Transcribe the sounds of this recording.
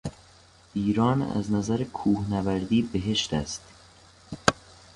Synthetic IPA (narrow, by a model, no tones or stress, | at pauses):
iːɾɒːnæ̰znæzæɾekʰuːhnævæɾd̪iːbeɦe̞ʃt̪æ̰st̪